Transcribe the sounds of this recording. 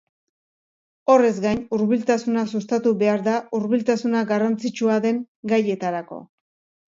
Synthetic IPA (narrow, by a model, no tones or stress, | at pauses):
o̞re̞zɡajnuɾβilt̪asunasust̪at̪uβe̞aɾðauɾβilt̪asunaɡarant͡sit͡ʃuaðe̞ŋ | ɡaje̞t̪aɾako̞̰